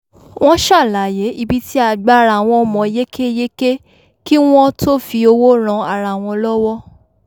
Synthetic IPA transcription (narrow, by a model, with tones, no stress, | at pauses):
w̃ɔ̃˦ʃa˦˨la˨je˨˦i˧bi˦ti˦a˧˨ɡ͡ba˨˦˨ɾa˧˨w̃ɔ̃˧mɔ̃˨˧je˦kʰe˦je˦ke˦ | ki˦w̃ɔ̃˦to˦fi˧o˧wo˦ɾ̃ã˧a˨ɾa˧˨w̃ɔ̃˧lɔ˦wɔ˦